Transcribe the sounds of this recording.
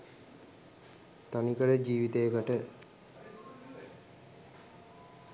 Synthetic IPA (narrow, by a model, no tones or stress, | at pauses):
t̪anikəɾəd͡ʒiːʋit̪ejəkəʈə